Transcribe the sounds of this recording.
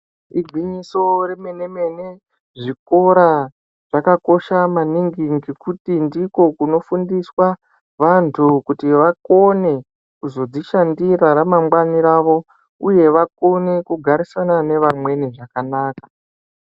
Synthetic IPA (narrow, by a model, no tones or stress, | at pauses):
iɡʱiɲiso̞reme̞ne̞me̞ne | ʐiko̞ɾa | ʐ̥akako̞ʃamaniŋɡiŋɡikutindiko̞kuno̞fundiswa | ʋantʰukutiʋako̞ne̞ | kuzo̞d͡ziʃandiɾaɾamamɡwaniɾaːʋo̞ | uje̞ʋako̞ne̞kuɡʱaɾisanane̞ʋamwe̞niʐakanaːkḁ